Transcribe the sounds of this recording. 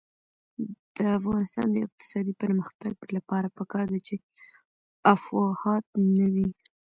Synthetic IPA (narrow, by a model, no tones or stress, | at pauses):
d̪̥əafɣɑnɪst̪ɑ̰nd̪əɪ̰q̚t̪ɪ̥sɑd̪ipəɾməxt̪aɡlapɑɾapəkɑɾd̪at͡ʃe | afɣɑhɑt̪̚nawi